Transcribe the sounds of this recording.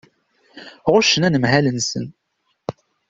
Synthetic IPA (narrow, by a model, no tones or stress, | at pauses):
ʁʊʃənænəmhælənsə̰n